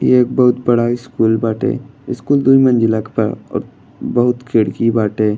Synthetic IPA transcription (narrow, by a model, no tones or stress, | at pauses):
jeeːk̚bɐɦʊt̪̚bɐɽaɪskuːlbaːʈḛːɪskuːld̪uimɐ̃nd͡ʒɪlakpɐɾɔ̰ːɾ | bɐɦʊt̪kʰeɽkibaːʈeː